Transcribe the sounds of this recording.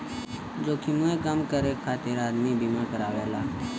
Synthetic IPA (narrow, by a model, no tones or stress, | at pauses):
d͡ʒoːkimuẽkəmkəɾeːkʰaːt̪eɾaːd̪mibimãːkəɾaːʋeːlaː